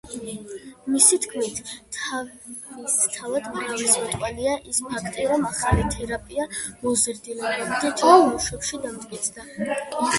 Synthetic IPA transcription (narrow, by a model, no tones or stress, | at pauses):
misit̪ʰkʰmit̪ʰa | st̪ʰavad̪maʁalismɔt̪ʼqʼwaliaʔispʰakʰt̪ʼiɾɔmaχalit̪ʰɛɾapʼiamɔzɛɾd̪ilɛbɛbid̪at̪ʰɔlˠmuʃwɛpʃid̪amd̪ʼkʼit̪sʰd̪a